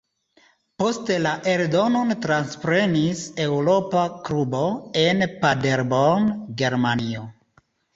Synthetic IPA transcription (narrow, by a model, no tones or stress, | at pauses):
po̞ste̞laʔe̞ɾdo̞no̞ntɾanspɾe̞nisewɾo̞pakɾubo̞e̞npade̞ɾbonɡe̞ɾmanio